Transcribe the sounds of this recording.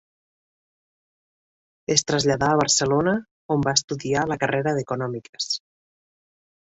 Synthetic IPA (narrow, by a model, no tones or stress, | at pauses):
est̪ɾəzʎaðaːβ̞əɾsəlonə | ombaest̪uðialəkəreɾəðekunɔmike̥s